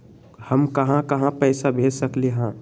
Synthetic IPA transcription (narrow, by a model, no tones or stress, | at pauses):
həmkɐɦãkɐɦãpɛːsabʱeːd͡ʒsəkleɦãː